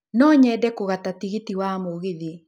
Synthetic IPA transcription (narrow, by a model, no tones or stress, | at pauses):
nɔːɲɛːdɛkoɣatatiɣetiwamoɣeði